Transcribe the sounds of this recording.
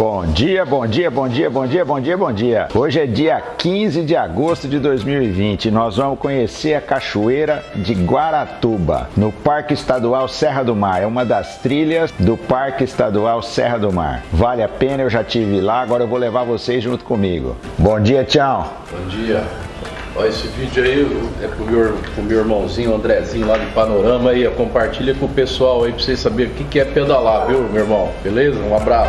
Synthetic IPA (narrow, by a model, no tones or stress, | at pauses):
bõd͡ʒiɐbõd͡ʒiɐbõd͡ʒiɐbõd͡ʒiɐbõd͡ʒiɐbõw̃d͡ʒiɐoʒɪɛd͡ʒiɐkĩzɪd͡ʒɪaɡost̪ʊd͡ʒɪd̪ojzmiwivĩt͡ʃɪnɔzvɐ̃mʊskõɲeseɾɐkaʃuejɾɐd͡ʒɪɡwaɾat̪ubɐ̰nʊpaɾkɪist̪ad̪uawsɛɦɐd̪ʊmaɾɛũmɐd̪ɐst̪ɾiʎɐzd̪ʊpaɾkɪist̪ad̪uawsɛ̰ɦɐd̪ʊma̰ɾvalɪapẽnɐewʒat͡ʃivɪlaaɡɔɾɐewvowlevaɾvosezʒũnt̪ʊ̥kõmiɡʊ̰ | bõd͡ʒiɐt͡ʃiɐw̃ | bõd͡ʒiɐ | ɔesɪvid͡ʒʊaiɛkõmewɾkõmewiɾmɐ̃w̃zĩɲʊɐ̃nd̪ɾɛzĩɲʊlad͡ʒɪpanoɾɐ̃mɐiekõpaɾt͡ʃiʎɐkõʊpesuawaipɾosesabeɾʊkɪkɪɛpẽd̪alaviwmewiɾmɐ̃w̃belezɐũabɾasʊ